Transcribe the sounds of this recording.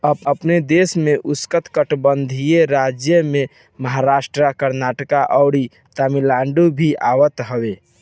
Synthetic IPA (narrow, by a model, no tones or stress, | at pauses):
əbəpned̪esmeʔuskət̪kəʈbənd̪ʱijeɾad͡ʒjəme | məɦaɾasʈɾakəɾnaʈəkaʔəʊɽi | t̪amilaɳɖubʱiʔaʋət̪ɦəwe